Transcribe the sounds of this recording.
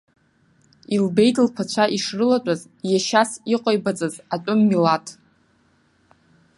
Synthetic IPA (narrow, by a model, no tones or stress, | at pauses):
ilbe̞jdlpʰat͡ɕʷʰaʔiʂrɨlatʷʼaz | jaʃasiqʼajbat͡sʼazatʷʼʊmːilatʰʼ